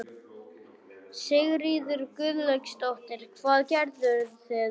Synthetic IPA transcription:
sɪɣɾiːðʏɾkʏðlœɥkst̪oht̪ɪɾ̥kʰvaːðcɛɾt̪ʏɾθɛð

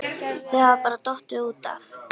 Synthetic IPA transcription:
θɛhavapaːɾat̪ɔht̪ʏuːt̪a̰f

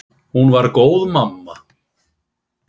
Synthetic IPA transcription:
hunvaɾkoːwðmamːa

